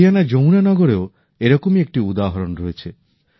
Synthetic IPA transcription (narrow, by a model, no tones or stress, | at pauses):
ijanad͡ʒow̃nanɔɡɔɾeo | eɾɔkomiek̚ʈiud̪aɦɔɾɔnɔɾɔet͡ʃʰe